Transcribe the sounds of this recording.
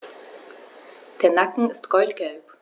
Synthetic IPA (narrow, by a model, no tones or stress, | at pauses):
d̥eːɐnakŋ̩ɪstɡ̥ɔltɡ̥ɛlp